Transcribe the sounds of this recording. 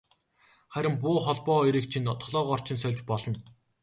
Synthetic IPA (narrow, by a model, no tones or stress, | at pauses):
χæɾʲɪ̆mpʊːχɔɮpɔːiɾiːkt͡ɕʰinːɔt̪ɞ̆χɮɔːʁɔr̥t͡ɕʰɪ̆nsœwʲt͡ɕpɔɮɞ̆n